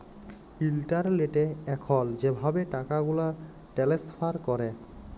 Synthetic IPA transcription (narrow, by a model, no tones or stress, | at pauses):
filʈaɹleʈɛɛkʰɔlzebʱabɛʈakaɡula | ʈɛlespʰaɹkɔɾɛ